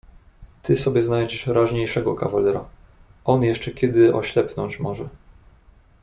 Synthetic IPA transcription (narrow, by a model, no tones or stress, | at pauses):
t̪ɘsɔbʲjɛznajd͡ʑiʂɾaʐɲejʂɛɡɔkavalɛɾa | ʔɔnjɛʂt͡ʂɛkʲɛd̪ɘɔ̰ɕlɛpnɔɲt͡ɕmɔʐɛ